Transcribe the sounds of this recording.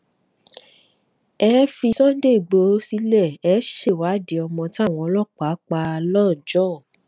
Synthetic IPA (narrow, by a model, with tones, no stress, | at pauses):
ɛ˦fi˧sɔ̃˦n̩˦de˦˨i˨ɡ͡bo˨˦si˨˦lɛ˦˨ɛ˨˦ʃe˦˨wa˨˦di˨˦ɔ˧mɔ̃˧ti˦a˦˨w̃ɔ̃˨˧ɔ˧lɔ˦˨k͡pa˨˦k͡pa˧lɔ˦˨d͡ʒɔ˦˨